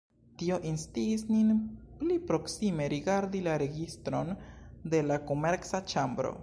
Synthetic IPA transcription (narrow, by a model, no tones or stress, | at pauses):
tio̞ʔinstiːsninplipɾo̞ksime̞ɾiɡaɾdilaɾe̞ɡistɾo̞nde̞lako̞me̞ɾksat͡ʃambɾo̰